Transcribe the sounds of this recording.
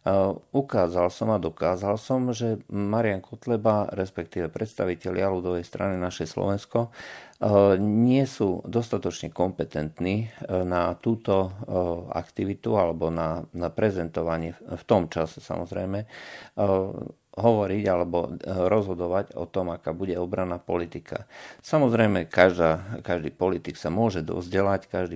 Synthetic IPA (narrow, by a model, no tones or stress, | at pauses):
ukaːzalsɔmad̪ɔkaːzalsɔmʒɛmaɾɪaŋkʰɔt̪lɛbaɾɛspɛkt̪iːʋɛpɾɛt̪st̪aʋicɛʎɪaluːd̪ɔʋɛjst̪ɾʔa̰ninaʃɛjslɔ̰ʋɛnskɔ | ɲɪɛsuːd̪ɔst̪at̪ɔt͡ʃɲɛkɔmpɛt̪ɛnt̪niːnat̪uːt̪ɔ | a̰kt̪iʋit̪ualɛbɔnanapɾɛzɛnt̪ɔʋaɲɪɛft̪ɔmt͡ʃasɛ̥sa̰mɔzɾɛ̰jmɛ | ɦɔʋɔɾiɟalɛbɔɾɔzɦɔd̪ɔʋaɟɔ̰t̪ɔmakaːbuɟɛɔbɾanːapɔlit̪ikʰa̰samɔzɾɛjmɛkaʒd̪aːkaʒd̪iːpɔlit̪iksamʊɔʒɛd̪ɔ̰zɟɛlackaʒd̪iː